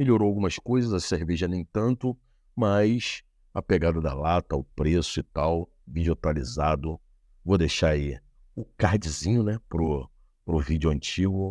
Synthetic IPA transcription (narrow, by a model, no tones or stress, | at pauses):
meʎoɾoawɡũmɐskojzɐzɐseɾveʒɐnẽj̃t̪ɐ̃nt̪ʊ | majs | ɐpeɡad̪ɐd̪ɐ̰lat̪ɐʊpɾesʊɪt̪aw | vĩd͡ʒot̪alizad̪ʊ | vod̪eʃaɾai | ʊkahd͡ʒizĩɲʊnɛpɾʊ | pɾʊvid͡ʒʊɐ̃nt͡ʃiɡʊ